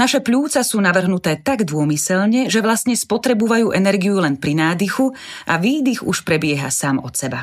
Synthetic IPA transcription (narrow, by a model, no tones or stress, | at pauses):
naʃɛpʎuːt͡sasuːnaʋr̩ɦnut̪ɛːt̪aɡd̪ʊɔmisɛʎɲɛʒɛʋlast̪ɲɛspɔt̪ɾɛbuʋajuːʔɛnɛɾɡiulɛnpɾinaːd̪ixu | ʔa̰ʋiːd̪ixuʃpɾɛbɪɛɦa̰saːmɔ̰t̪sɛba